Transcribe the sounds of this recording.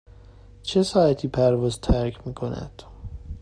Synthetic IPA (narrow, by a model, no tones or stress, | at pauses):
t͡ʃʰesɒːjæt̪ʰiːpʰæɾvɒːzt̪ʰæɾkʰmiːkʰonæ̰d̪̥